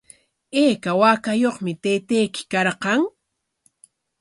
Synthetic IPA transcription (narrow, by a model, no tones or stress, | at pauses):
eːkawakajoχmɪt̪ejt̪ejkɪ̥kɑɾqɑŋ